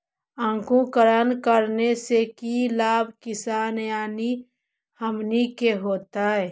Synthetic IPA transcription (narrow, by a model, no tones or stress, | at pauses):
ãːkũkəɾənkəɾnesekilaːb̚ʱkɪsaːnjaːni | həmnikeɦoːt̪aɦɛ